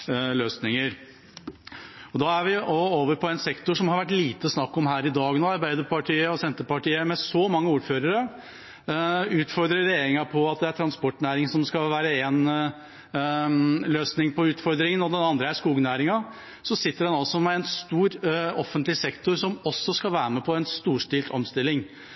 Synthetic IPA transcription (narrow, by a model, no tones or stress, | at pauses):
løːsnɪŋəɾ | ɔd̪ɑːæʋɪɔoːʋəɾpʰɔɛnsɛkt̪ʊʂɔmhɑɾʋæʈ̬ːliːt̪əsnɑkːɔmɦæːɾɪd̪ɑːɡnoːɑɾbæɪd̪əpɑʈʰiːəɔsɛnt̪əpɑʈiːəmɛsɔmɑŋːəuːɾføːɾəɾə | ʉːt̪fɔɾd̪ɾəɾeːɾɪŋɑpʰɔɑt̪̚d̪ɛæʈʰɾɑnspɔʈːnæːɾɪŋsɔmskɑʋæːɾəeːn | løːsnɪŋpʰɔʉːt̪fɔɾd̪ɾɪŋənɔd̪ɛnɑnd̪ɾəæʂkuːɡənæːɾɪŋɑ | sɔsɪt̪ːəɖɛnɑlsɔmɛɛnst̪uːɾɔfənt̪lɪsɛkt̪ʊɾʂɔmɔsːɔskɑlʋæːɾəmɛpʰɔɛnst̪uːʂʈ̪ilt̪ʰɔ̰mst̪ɪlːɪŋ